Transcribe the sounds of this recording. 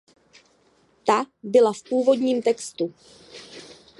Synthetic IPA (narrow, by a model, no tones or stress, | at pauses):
t̪abɪlafpuːvo̞dɲiːmt̪ɛkst̪u